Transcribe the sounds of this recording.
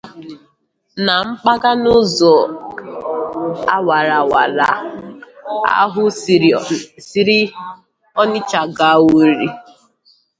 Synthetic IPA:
na˨ŋ͡m̩˦k͡pa˦ɡa˦nʊ˦zɔ˨ | a˦wa˨ɾa˨wa˨ɾa̰˨ | a̰˦ɦʊ˦ | si˦ɾi˦ | ɔ˦nɪ˦t͡ʃa˨ɡa˨˦˨wu˦ɾi˦

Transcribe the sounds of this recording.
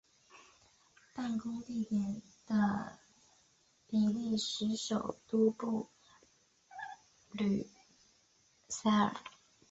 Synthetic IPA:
pa˥˩nkʊ˥ŋt̪i˥˩t̪jɛ˨˩n | d̪̥ə˧ | pi˨˩li˥˩ʂɻ̩˧˥ʂo˨˩ʊt̪u˥pu˥˩ | ly˨˩ | sa˥ə̰˨˩˦

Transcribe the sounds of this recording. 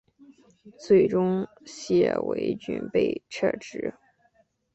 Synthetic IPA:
t͡swe˥˩ɪʈ͡ʂʊ˥ŋ | ɕjɛ̰˥˩wḛ˧˥ɪt͡ɕy̰˥˧˩npe˥˧ɪʈ͡ʂʰə̰˥˧˩ʈ͡ʂɻ̩˧˥

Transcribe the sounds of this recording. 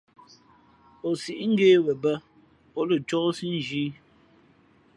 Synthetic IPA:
o˨si˨ʔŋ̩˦ɡeː˦wə˨bə˦ | ɔ˦lə˨t͡ʃɔ˦si˦n˦˨d͡ʒiː˦

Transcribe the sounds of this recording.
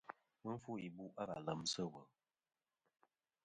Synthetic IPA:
mɨ˦m̩˦fu˦i˨bu˦ʔa˦ɣa̰˨lə˨msə˦wə˨

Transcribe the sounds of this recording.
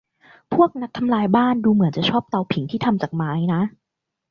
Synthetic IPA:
pʰu˥˩ək̚na˦˥k̚t̪ʰa˧mlaː˧jbaː˥˩nduː˧mɯ˩˦ənt͡ɕa˨˩t͡ɕʰɔː˥˩p̚t̪a˧˩wpʰi˨˩˦ŋt̪ʰiː˥˩a˧mt͡ɕaː˨˩k̚maː˦˥jna˦˥ʔ

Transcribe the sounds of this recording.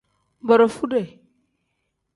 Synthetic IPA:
ba˨ɾo˨fu˦de˨

